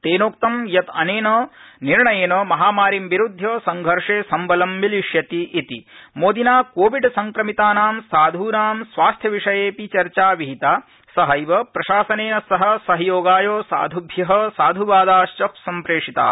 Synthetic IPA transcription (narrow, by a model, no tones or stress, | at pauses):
t̪eːnoːk̚t̪ɐmjɐt̪ɐneːnɐːniɾɳɐjeːnɐmɐɦaːmaːɾimʋiɾud̪ʱːjɐːsɐŋɡʱɐɾʂeːsɐmbɐlɐmʋiliʃjɐt̪iʔːt̪imoːd̪inaːkoːʋiɖsɐŋkɾɐmit̪aːnaːmsaːd̪ʱuːnaːmsʋaːst̪ʰjɐʋiʂɐjeːpit͡ʃɐɾt͡ʃaːʋiɦit̪aː | sɐɦɐjʋɐpɾɐʃaːsɐneːnɐsɐɦɐ̆sɐɦɐjoːɡaːjoːsa̰ːd̪ʱubʱjɐɦɐ̆saːd̪ʱuʋaːd̪aːʃt͡ʃɐpsɐmpɾeːʂit̪a̰ː